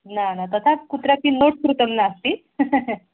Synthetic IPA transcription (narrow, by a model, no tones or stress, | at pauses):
nanat̪ət̪ʰãkut̪ɾjapiːnoʈkɾut̪əmnaːst̪iː